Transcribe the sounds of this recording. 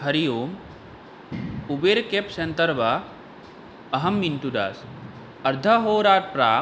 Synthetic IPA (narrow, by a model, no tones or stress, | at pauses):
ɦɐɾijoːm | ubeːɾkepsent̪əɾba | ɐɦɐmːinʈ̪ud̪a̰ːs | ɐɾd̪ʱɐɦoːɾaːt̪̚pɾaː